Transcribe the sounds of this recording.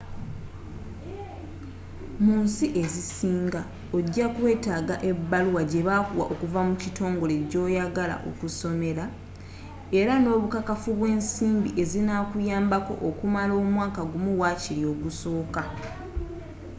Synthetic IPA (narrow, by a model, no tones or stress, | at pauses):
muːnsiʔe̞zisiːŋɡa | oɟːakwe̞ːtaːɡaʔe̞bːaluwaɟe̞βaːkuwa̰ʔo̞kuvamucito̞ːŋɡo̞le̞ɟo̞ːjaɡala̰ʔo̞̰kuso̞me̞ɾa | e̞ɾano̞ːβukakafuβwe̞ːnsiːmbiʔe̞zinakujaːmbako̞̰ʔokumalo̞ːmwaːkaɡumuwaːciɾio̞ɡuso̞ːka